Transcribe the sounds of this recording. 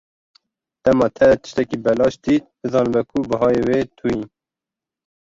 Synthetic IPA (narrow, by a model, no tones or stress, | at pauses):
t̪ɛmɑːt̪ʰɛt̪ə̥ʃt̪ɛkiːbɛlɑːʃt̪it̪̚d̪ɨzɑːnɨbɛkʰubɨɦɑːjeːweːt̪ʰujin